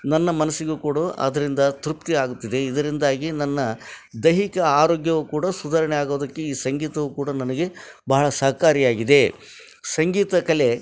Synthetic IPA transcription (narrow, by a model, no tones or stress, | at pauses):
nɐnːɐmɐnɐsːiɡukuːɽɐʔɐ̰d̪ɐɾind̪ɐt̪ɾupt̪iaːɡut̪ːid̪e̞id̪ɐɾind̪aːɡinɐnːɐd̪ɐɦikɐaːɾoːɡjɐʋukuːɽɐsud̪aːɾɐɳɛjaːɡoːd̪ɐkːe̞iːsɐŋɡiːt̪ɐʋukuːɽɐnɐnɐɡe̞bɐɦɐɭɐsɐaːkaːɾijaːɡid̪e̞ | sɐŋɡiːt̪ɐkɐle̞